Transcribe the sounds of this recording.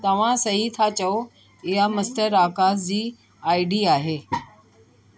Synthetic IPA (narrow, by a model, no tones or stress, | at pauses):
t̪ɐʋ̤ãsɐɦit̪ʰat͡ɕɐo | ɪɦamɐst̪əɾaːkaːzd͡ʑiː | aːɪɖiaːɦeː